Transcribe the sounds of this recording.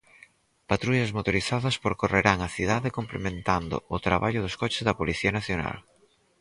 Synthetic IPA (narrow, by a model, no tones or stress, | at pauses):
pat̪ɾuʎɐzmot̪oɾiθaðɐspoɾkoreɾaŋaθiðaðɪkomplḛmẽnt̪and̪ʊ̰ʊt̪ɾa̰βaʎʊðoskɔt͡ʃɪ̥zðɐpoliθiɐnaθjona̰l